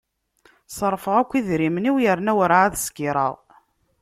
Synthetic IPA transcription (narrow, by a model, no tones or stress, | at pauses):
sˤɾˤːfəʁækʷːiðɾiməniwjəɾnæwəɾʕaðskiɾˤə̰ʁ